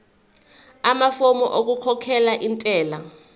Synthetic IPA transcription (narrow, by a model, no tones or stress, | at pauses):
amafomɔʔok̬ukʰɔkʰɛlaʔintʼɛːla